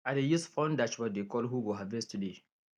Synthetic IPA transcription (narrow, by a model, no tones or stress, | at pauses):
adejisfɔ̃ndat͡ʃbɔt̚dekɔlɦuɡoɦavɛstude